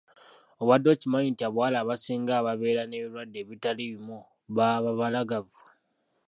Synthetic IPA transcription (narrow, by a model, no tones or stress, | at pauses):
o̞βwadːo̞ːcimaɲintiaβwaːlaːβasiːŋɡaːβaβe̞ːɾane̞βilwadːe̞ːβitaliβimo | βaβaβalaɡavu